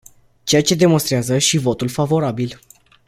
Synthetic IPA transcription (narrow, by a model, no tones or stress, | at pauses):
t͡ʃe̞jat͡ʃe̞d̪e̞mo̞nst̪ɾeazəʃivo̞t̪ulfavo̞ɾabil